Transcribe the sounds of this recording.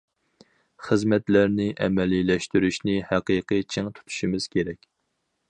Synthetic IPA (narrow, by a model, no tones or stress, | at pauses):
χəzmɛt̪læɾnɪʔɛmɛlilɛʃt̪yɾyʃnɪhæqiqʰɨt͡ʃʰeŋt̪ʰu̥t̪ʰu̥ʃimɪz̥kʲʰeɾɛkʲ